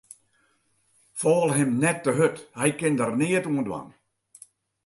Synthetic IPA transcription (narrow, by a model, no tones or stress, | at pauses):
fɔːlˠɦɪmnɛtːəɦøthɛjkɪndərnɪətuəndwa̰n